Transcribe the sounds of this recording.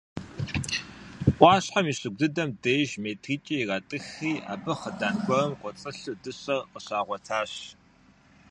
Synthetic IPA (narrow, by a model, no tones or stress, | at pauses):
ʔʷɑːɕħamiːɕɨɡ̚ʷdɨdɐmdeːʒmeːtʰriːt͡ʃʼiratʼɨxiːʔa̰ːbɨχədaːnɡʷɔɐmqʷʼɔt͡sʼɐɬudɨɕɐrqəɕaːʁʷɔtʰaːɕ